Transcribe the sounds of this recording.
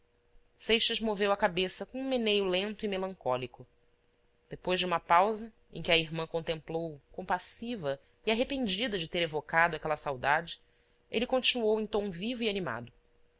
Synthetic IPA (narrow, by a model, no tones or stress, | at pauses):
sejʃɐzmovewɐkabesɐkõũmenejʊlẽnt̪ʊimelɐ̃ŋkɔlikʊ | d̪̥epojzʒd͡ʒɪũmɐpawzɐ | ẽkʲɪɐiɦmɐ̃kõnt̪ẽmplowkõmpasivɐ | iaɦepẽnd͡ʒid̪ɐd͡ʒɪt̪eɾevokad̪ʊakɛlɐsawd̪ad͡ʒɪ̥ | elɪkõnt͡ʃinuowẽt̪õw̃vivʊianima̰d̪ʊ